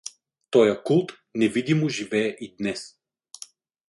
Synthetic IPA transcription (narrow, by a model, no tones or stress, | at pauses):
t̪ɔjɐkulˠt̪ | nɛvid̪imoʒivɛːʔid̪nɛs